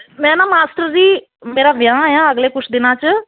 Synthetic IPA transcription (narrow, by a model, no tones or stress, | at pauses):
mɛ̃ːnãːmaːsʈəɾd͡ʒiː | meːɾaːʋjãːjãːəɡleːkʊt͡ʃʰd̪ɪnãːt͡ʃə